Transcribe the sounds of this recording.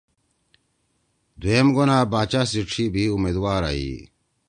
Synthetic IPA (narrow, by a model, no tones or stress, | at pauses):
d̪uemɡunaːbaːt͡ɕasiʈ͡ʂʰibiumeːd̪waːɾa̰ḭ